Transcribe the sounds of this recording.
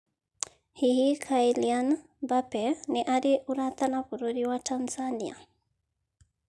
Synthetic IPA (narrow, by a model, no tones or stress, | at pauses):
hihikʰailian | bapɛnɛʔaɾiʔuɾat̪anakuɾoɾiwatanzania̰